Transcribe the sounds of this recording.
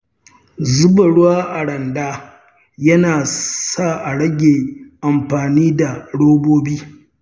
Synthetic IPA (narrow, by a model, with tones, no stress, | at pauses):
zʊ˦bɐ˨ɽʊ˦waː˦ʔa˨ɽɐ˨ndaː˦ | jɐ˦naː˨sa˦˨ʔa˨ɽɐ˦ɡʲeː˨ʔa˨mɸaː˨niː˦da˨ɽoː˦boː˦biː˦